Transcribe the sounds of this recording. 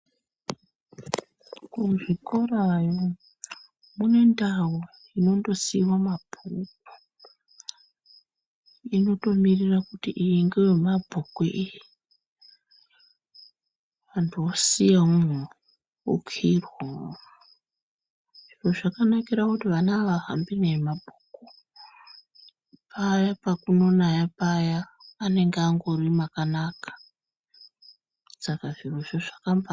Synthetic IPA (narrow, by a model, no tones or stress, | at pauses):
kuʐiko̞rajo | mune̞ndawo | ino̞ndo̞siwamabʰʱuka | ino̞to̞mirirakutiʔijiŋɡewemabʱokweʔiji | ʋantʰuosijau | ṵkʰirwo | ʐ̥iroʐakanakiɾakutiʋanaːʋaɦa̰mbinemabʱuku | pajapakuno̞najapajaːne̞ŋɡaŋɡo̞rimakanaːkḁ | sakaʐiroʐoʐakamba